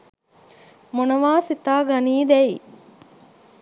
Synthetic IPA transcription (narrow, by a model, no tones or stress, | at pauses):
monɐʋaːsit̪aːɡɐniːd̪ɛi